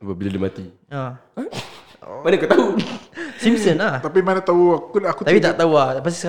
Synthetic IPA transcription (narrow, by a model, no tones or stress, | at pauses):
apabiladimat̪i | a | manakut̪au | simsənat̪ap̬imanat̪auakuakut̪apit̪aʔt̪auapasisə